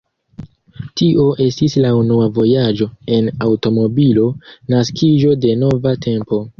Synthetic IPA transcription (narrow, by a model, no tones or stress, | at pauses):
tiʔo̞ʔe̞stislaunuavo̞jad͡ʒo̞e̞nawto̞mo̞bilo̞naskʰiʒo̞de̞no̞vatʰe̞mpo̞